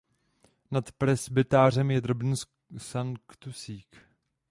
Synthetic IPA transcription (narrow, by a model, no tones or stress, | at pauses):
nat̪pɾɛsbɪt̪aːr̝ɛmjɛd̪ɾobn̩s | saŋkt̪usiːk